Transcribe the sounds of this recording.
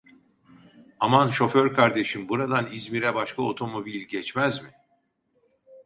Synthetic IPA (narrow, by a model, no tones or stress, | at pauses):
amanʃo̞føɾkʰaɾd̪e̞ʃinbuɾad̪anizmiɾɛbaʃkʰao̞t̪ʰo̞mo̞bilʲɟɛt͡ʃmæzmɪ